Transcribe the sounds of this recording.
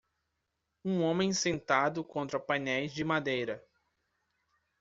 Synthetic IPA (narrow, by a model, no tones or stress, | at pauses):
ũõmẽj̃sẽnt̪ad̪ʊkõnt̪ɾɐpɐnɛjzd͡ʒɪmad̪ejɾɐ